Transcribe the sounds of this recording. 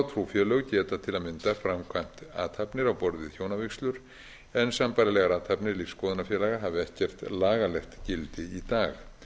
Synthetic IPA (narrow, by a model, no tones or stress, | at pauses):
t̪ʰɾufjɛlœɣcɛːt̪at̪ʰɪlaðmɪnt̪afɾamkʰajm̥t̪a̰ːt̪hapnɪɾawpɔɾðɪðçjoːwnavɪkslʏɾ̥ | ɛnsampajɾalɛɣaɾaːt̪ʰhapnɪɾlifskɔːðʏnafjɛlaɣaɦaːvɪɛht̪cɛr̥t̪laːɣalɛxt̪cɪlt̪ɪit̪aːɣ